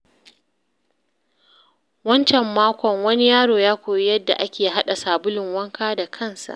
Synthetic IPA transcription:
wɐ˦nt͡ʃɛ˨mːaː˦kʷɔ˨ŋwɐ˦ni˦jaː˦ɽoː˨jaː˦kʷoː˨ji˦jɐ˦dːa̰˨ʔa˦kʲeː˨ɦa˦ɗa˨saː˨bʊ˦lɪ˨ŋwɐ˦ŋkʰaː˦da˨kʰɐ˦˨nsa̰˨ʔ

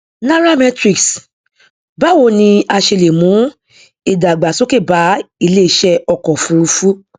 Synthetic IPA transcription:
nã˦ɾa˦˨mɛ˦tɾi˨ks | ba˨˦wo˦˧˨nĩ˧a˧ʃe˧le˨mũ˨˦ | e˨da˨ɡ͡ba˨so˦ke˦˨ba˨˦i˦˧le˦i˦˨˦ʃɛ˦ɔ˧kɔ˨fũ˧ɾu˧fu˦

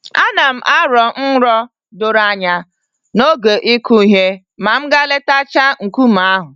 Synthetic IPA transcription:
a˦na˨m̩˦˨ʔa˦ɾɔ˨n̩˦ɾɔ˦ | dʊ˨ɾa˦ɲa˦ | no˦ɡe˨ʔi˦ku˦i˨ɦe˦ | ma˨m̩˦ɡa˦le˦ta˦t͡ʃa˦ŋ̩˨ku˦m̩˨a˦ɦʊ˨

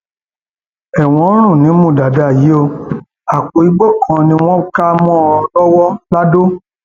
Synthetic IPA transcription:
ɛ˨w̃ɔ̃˨˦ɾ̃ũ˦˨nĩ˨˦mũ˦˨da˨da˨ji˨˦o˧ | a˨k͡po˨i˨˦ɡ͡bɔ˦˨kʰã˧nĩ˧˦w̃ɔ̃˦ka˦mɔ̃˦˧lɔ˦wɔ˦la˦do˦

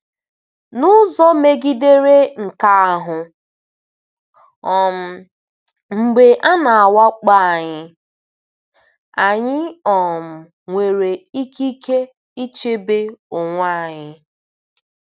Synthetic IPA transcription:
nʊ˦zɔ˦me˦ɡi˦de˦ɾe˦ŋ̩˨ka˦a˨ɦʊ˨ | ɔ˨m̩˨ | ŋ͡m̩˨ɡ͡be˨ʔa˦na˨a˨wa˦k͡pa˦a˨ɲɪ˦ | a˨ɲɪ˦ɔ˨m̩˨ | ŋʷe˨ɾe˨i˦ki˦ke˦ | i˦t͡ʃe˦be˦ʊ˨ŋʷa˦˨ɲɪ˦

